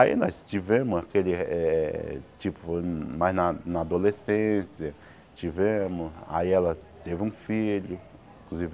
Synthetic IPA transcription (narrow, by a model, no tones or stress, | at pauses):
aḭnɔst͡ʃivẽmʊzakelɪɛt͡ʃipʊfomajznɐnɐad̪olesẽsiɐ | t͡ʃivẽmʊsa̰iɛlɐt̪evɪũfiʎʊ | ĩkluzivɪ